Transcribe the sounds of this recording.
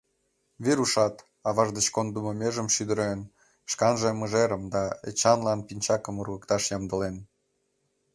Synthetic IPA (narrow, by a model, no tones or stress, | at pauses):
βiɾuʃɑt̪ | ɑβɑʒd̪ət͡ɕkond̪umomeʒəmʃyd̪əɾen | ʃkɑnʒeməʒeɾəmd̪ɑḛt͡ɕɑnlɑnpinʲt͡ɕɑkə̆murɣəkt̪ɑʃjɑmd̪ə̆len